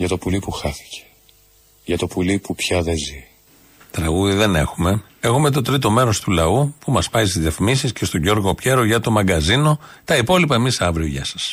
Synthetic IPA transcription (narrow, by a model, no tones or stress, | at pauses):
ʝɐt̪o̞pulipuxɐθi̥ce̥ | ʝɐt̪o̞pulipupçɐðezi | t̪ɾɐɣuðiðe̞ne̞̰xume̞ | e̞xume̞t̪̬o̞t̪ɾit̪o̞me̞ɾo̞st̪ulɐupumɐspɐjst̪izjefmisisce̞st̪o̞ɟo̞ɾɣo̞pçe̞ɾo̞ʝɐt̪o̞mɐɡɐzino̞t̪ɐipo̞lipɐe̞misɐvɾio̞ʝɐ̰sɐ̥s